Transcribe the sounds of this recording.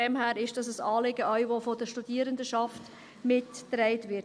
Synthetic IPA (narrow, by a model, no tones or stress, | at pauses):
ɛmhæːɾɪʃd̥ɑsəsɑːlɪɡəaʏʋofodəʃtudiːəɾəndəʃɑft | mɪtːrɛɪtʋɪ